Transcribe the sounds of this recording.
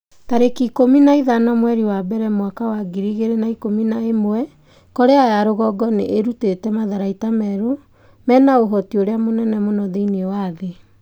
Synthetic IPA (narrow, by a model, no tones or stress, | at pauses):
taɾekikominaiðanamwɛɾiwabɛɾɛmwakawaɡiɾiɣeɾenaikominaemowɛ | kɔɾeajaɾoɣɔɡɔnḛʔeɾutetɛmaðaɾaitamɛɾo | mɛnaoɦɔtioɾeamonɛnɛmonɔðeinewaðe